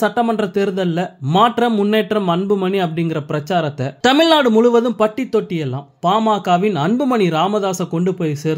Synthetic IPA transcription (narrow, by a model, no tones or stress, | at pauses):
sɐʈːɐmɐndrɐt̪ɛɾɯðɐlːɐmaːʈrɐmːʊnːeːʈrɐmɐnbɯmɐniɐpːɐɽɪŋɡɪɾɐpɪɾɐt͡ʃːaːɾɐt̪ːɐt̪ɐmɪɭnaːɽɯmʊɻʊʋɐðɯmpɐʈːit̪ːɔʈːɪjɛlːãːmpaːmaːkaːʋɪnɐnbɯmɐniɾaːmɐðaːsɐkɔɳɖɯpoːjseːɾ